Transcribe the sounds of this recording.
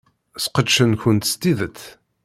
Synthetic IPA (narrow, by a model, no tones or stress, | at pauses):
sqədʃənçʊnt̪st̪iðət͡sː